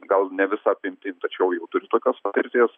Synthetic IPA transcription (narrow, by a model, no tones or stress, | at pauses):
ɡɐlˠnʲɛʋʲɪsɑːpʲɪmʲt̪ʲɪnʲt̪ɐt͡ʃʲɛʊjɛʊt̪ʊɾʲɪt̪oːkʲoːspɐt̪ʲɪɾʲt̪ʲeːs